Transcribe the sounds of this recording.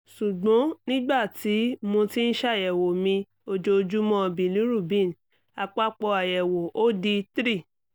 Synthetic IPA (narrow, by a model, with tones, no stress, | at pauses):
ʃu˨ɡ͡bɔ̃˨˦nĩ˦ɡ͡ba˦˨ti˨˦mõ˧ti˦n̩˦ʃa˦˨jɛ˨wo˨mĩ˧ | o˧d͡ʒo˧d͡ʒu˦mɔ̃˦˧bĩ˨li˨˦ɾu˦˨bĩ˦˨n˨ | a˧k͡pa˦k͡pɔ˧a˨jɛ˨wo˨ʔo˦di˧tɾi˦˨